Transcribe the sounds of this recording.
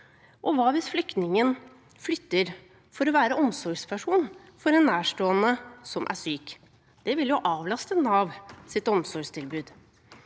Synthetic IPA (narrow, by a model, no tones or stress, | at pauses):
ʔɔʋɑːʋɪsflʏkt̪nɪŋən | flʏt̪ːəɾ | fɔɾɔʋæːɾəʔɔmsɔɾɡspʰæʂuːn | fɔɾɛnːæːʂʈoːənəsɔmʔæ̰ʂyːk | d̪̥ɛʋɪljʊʔɑːʋlɑst̪ənɑːʋsɪt̪ɔmsɔɾɡʂt̪ʰɪlbʉːd̪